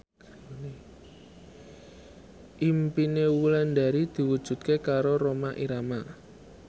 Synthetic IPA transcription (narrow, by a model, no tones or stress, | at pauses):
ʔimpinewulɛnda̤ɾid̪̥i̤wud̥ʒ̥ṳt̪̚kekaɾoɾomaʔiɾama